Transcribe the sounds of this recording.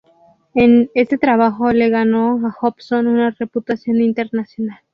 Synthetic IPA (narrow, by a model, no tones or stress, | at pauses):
e̞ne̞st̪et̪ɾaβaxole̞ɣano̞axopsonunare̞put̪asjo̞nint̪e̞ɾnasjo̞nal